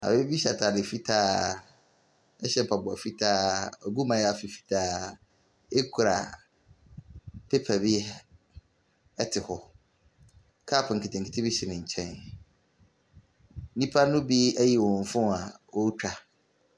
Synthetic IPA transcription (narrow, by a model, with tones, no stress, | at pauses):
a̰˨be˦e˦bi˦ɕa˨tʰa˨dɪ˨fi˦tʰaː˦ | ɛ˦ɕɛ˦˨pʰa˨bʊ˨a˨fi˦tʰaː˦ɔ˨ɡu˦mã˨˦ja˨fi˨fi̥˨tʰaː˦ | e˦kʰu˨ɾa̰˨ | pʰe˦pʰa˨bɪ˦ | ɛ˦tʰɪ˨hɔ˨ | kʰa˦˨pʰʊ˨ŋ̩˨kʰɪ˨tʰɪ̃˨ŋ̩˨kʰɪ˦tʰi˦bi˦ɕɛ˨nɪ̃˨ɲ̩˨t͡ɕʰɛ̃˦n˦ | nĩ˦pʰa˦nʊ̃˦bi˦æ˦ji˨wɔ̃˨ɱ̩˨fʊ̃˦˨a˨wo˦t͡ɕᶣa˨